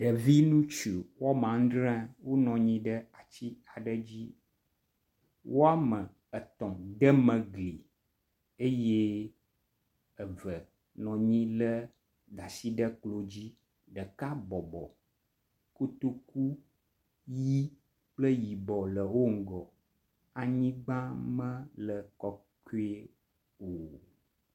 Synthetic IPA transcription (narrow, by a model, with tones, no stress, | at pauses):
ɖə˨vi˦nũ˦t͡ʃu˨wa˦m˨ã˨ŋ̩˦d̪ɾɛ̃˦wo˦nɔ̃˨ɲĩ˦ɖə˦a˨t͡ɕi˦a˨ɖə˦d͡ʑi˦ | wo˦a˦mə̃˨ | ə˨t̪ɔ̃˨d̪ə˦mə̃˨ɡli˨ | e˦je˦ | ə˨və˨ | nɔ̃˨ɲĩ˦lə˦ | ɖa˨si˦ɖə˦k͡plo˨d͡ʑi˦ | ɖə˨ka˦bɔ˨bɔ˨ | ko˦t̪o˦ku˦ | ji˦ | k͡plə˦ji˨bɔ˨lə˨wo˦ŋ̩˨ɡɔ˨ | a˨ɲĩ˦ɡ͡bã˦mə̃˦lə˨kɔ˦ | ko˦e˦ | o˨